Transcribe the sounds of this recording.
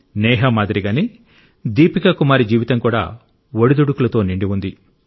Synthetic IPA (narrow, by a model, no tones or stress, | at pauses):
nɛːɦɐmaːd̪iɾiɡaːni | d̪iːpikɐkumaːɾid͡ʒiːʋit̪ɐŋkuːɽa̰ː | ʋoɽid̪uɽukulɐt̪o̞ːniɳɖiʋund̪i